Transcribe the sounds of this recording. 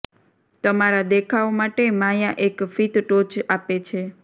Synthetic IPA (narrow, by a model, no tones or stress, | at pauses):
t̪əmaɾad̪ekʰaomaʈemajaʔekfit̪ʈot͡ʃapet͡ʃʰe